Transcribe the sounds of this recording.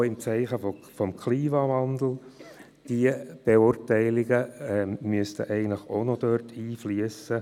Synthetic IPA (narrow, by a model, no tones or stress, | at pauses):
ɪmt͡sɛɪχəffɔmkʰliːmɑʋɑnd̪l̩ | d̥iəb̥eʊrtæɪlɪɡəɛmyəstə̰ʔɛɪɡəntləχonɔd̥̪œrtʰiːfliəsə